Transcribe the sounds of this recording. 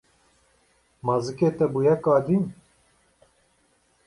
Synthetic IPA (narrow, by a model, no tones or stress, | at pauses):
mɑzɨkeːt̪ɛbujɛkɑːd̪im